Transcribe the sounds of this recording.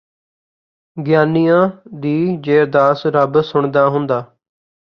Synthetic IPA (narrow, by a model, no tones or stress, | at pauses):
ɡɪjaːnijãːd̪iːd͡ʒeːɾd̪aːsɾəbsʊɳd̪aːɦʊnd̪aː